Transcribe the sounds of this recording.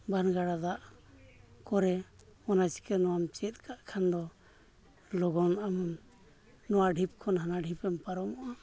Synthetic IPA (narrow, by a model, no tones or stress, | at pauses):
banɡaɽad̪aʔ | kɔɾɛɔnasi̥kɛnɔwamt͡ʃɛt̪̚kaʔkʰand̪ɔ | lɔɡɔnam | nɔwaɖʱip̚kʰɔnɦanaɖʱipɛmpaɾɔmɔʔa